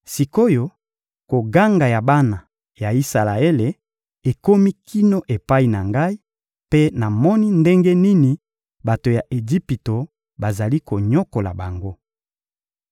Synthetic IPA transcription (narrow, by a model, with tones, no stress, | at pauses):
si˨ko˦jo˦ | ko˨ɡa˦ŋɡa˨ja˨ba˦na˨ | ja˨i˦sa˨la˨e˦le˨ | e˨ko˦mi˦kʰi˦no˦ʔe˨pa˦i˨na˨ŋɡa˦i˦ | pe˦na˨mɔ˦ni˦nde˦ŋɡe˦ni˦ni˨ | ba˨to˨ja˨ʔe˨d͡ʒi˦pi˨to˨ | ba˨za˨li˦ko˨ɲɔ˦ko˨la̰˨ba˨ŋɡo˦